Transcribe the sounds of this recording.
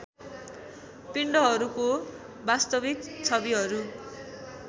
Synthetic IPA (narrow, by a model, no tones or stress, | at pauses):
piɳɖʌɦʌɾuko | bast̪ʌbikt͡sʰʌbiɦʌɾu